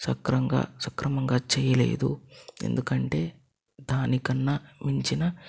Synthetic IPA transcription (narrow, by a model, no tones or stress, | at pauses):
sɐkɾɐŋɡa̰ːsɐkɾɐmɐŋɡaːt͡ʃɛːjɐle̞̰ːd̪ṵe̞̰nd̪ukɐɳʈe̞ː | d̪aːnikɐnːɐmiɲt͡ʃinɐ